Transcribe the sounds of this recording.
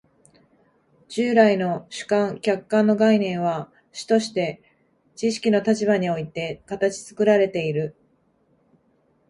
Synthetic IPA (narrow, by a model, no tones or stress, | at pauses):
d͡ʑɨːɾaino̞ɕɨ̥kãŋkʲakːãnːo̞ɡainẽ̞ɰ̃βa | ɕi̥t̪o̞ɕi̥t̪e̞ | t͡ɕiɕi̥kʲino̞t̪at͡ɕiβaɲ̟io̞it̪e̞kat̪at͡ɕi̥t͡sɨ̥kɯ̟ɾaɾe̞t̪e̞iɾɯ̟